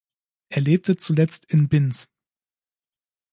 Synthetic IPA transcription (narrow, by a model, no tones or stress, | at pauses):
ʔeːɐleːp̚tət͡sulɛt͡stɪnbɪns